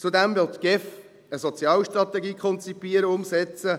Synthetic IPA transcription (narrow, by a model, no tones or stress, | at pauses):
t͡sud̪ɛmʋɪlt̪ɡ̥ɛf | əsɔt͡sjɑːlʃtɾɑt̪ɛɡiːkʰɔnt͡sipiːəɾəʊmsɛt͡sə